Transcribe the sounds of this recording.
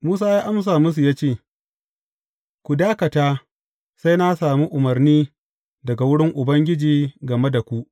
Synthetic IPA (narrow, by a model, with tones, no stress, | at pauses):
muː˦saː˦jaː˦ʔa˦ms̬aː˨mʊ˦s̬u˨jaː˦t͡ʃeː˦˨ | kʷu˨daː˦kɐ˨taː˦ | sa˦jna˦saː˨mi˦ʔʊ˨mɐ˨rniː˦ | dɐ˨ɡa˨wʊ˦ɽɪ˦ŋʔʊ˨bɐ˦ŋɡʲɪ˦d͡ʒiː˨ɡɐ˨me˦da˨kʷu˨ʔ